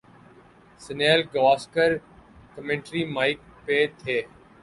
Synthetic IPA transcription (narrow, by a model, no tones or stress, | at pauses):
sɪneːlɡaːskəɾkəmẽɳʈɾiːmaːɪk̚peːt̪ʰeː